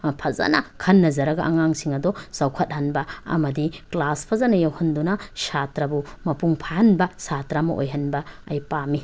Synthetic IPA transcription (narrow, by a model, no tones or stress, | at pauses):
pʰɐza̰nɐkʰɐnːɐzɐɾɐɡɐʔɐŋaŋsiŋɐdɔsawkʰɐt̚hɐnbɐɐ̰mɐdiklaspʰɐzanɐjawhɐndunɐsatɾɐbumɐpuŋpʰaɐnbɐsatɾamɐ̰ʔo̰jɦɐnbɐɐjpami